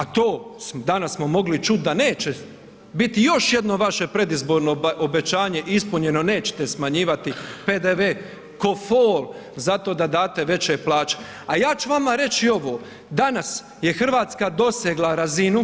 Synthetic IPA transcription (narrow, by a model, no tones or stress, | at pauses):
at̪oːsmd̪anasmo̞mo̞ɡlit͡ʃut̪̚d̪ane̞ːt͡ɕe | bit̪ijo̞ʃje̞d̪no̞ʋaʃe̞pɾe̞d̪izbo̞ːɾno̞ʔobe̞t͡ɕaːɲe̞ʔispuɲe̞no̞ne̞ːt͡ɕe̥t̪e̞smaɲiːʋat̪ipe̞ːd̪eʋeː | ko̞foːl | zat̪o̞ːd̪ad̪aːt̪eʋe̞t͡ɕe̞ːplaːt͡ʃe̥ | ajaːt͡ʃuʋamaɾe̞t͡ɕio̞ʋo̞ː | d̪anas | je̞xr̩ʋaːt̪skad̪o̞seɡlˠaɾazinu